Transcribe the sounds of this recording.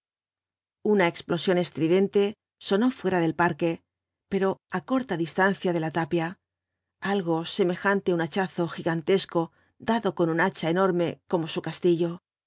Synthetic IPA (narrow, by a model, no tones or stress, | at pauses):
unaeksplo̞sjo̞ne̞st̪ɾiðe̞nt̪e̞ | so̞no̞fwe̞ɾaðe̞lpaɾke̞ | pe̞ɾo̞ako̞ɾt̪aðist̪an̟θjaðe̞lat̪apja | alɣo̞se̞me̞xant̪eunat͡ʃaθo̞xiɣant̪e̞sko̞ | d̪aðo̞ko̞nunat͡ʃaeno̞ɾme̞ko̞mo̞sukast̪iʎo̞